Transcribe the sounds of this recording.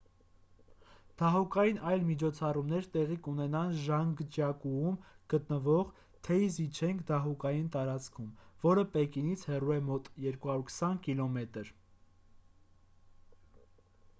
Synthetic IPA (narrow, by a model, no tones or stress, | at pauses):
d̪̥ɑɦukɑjinɑjlmit͡ʃʰɔt͡sʰɑrumnɛɾt̪ɛʁikunɛnɑnʒɑŋɡt͡ʃjɑkuumɡ̥ət̪nəvɔʁ | t̪ʰɛzit͡ʃʰɛŋkʰd̪ɑɦukɑjint̪ɑɾɑt͡skʰumvɔɾəpɛkinit͡sʰhɛruɛmɔt̪jɛɾkuhɑɾuɾkʰə̥sɑnkilɔmɛt̪əɾ